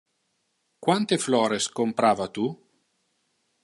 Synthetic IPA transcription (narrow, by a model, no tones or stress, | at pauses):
kwant̪eflɔːɾeskompɾaːvat̪u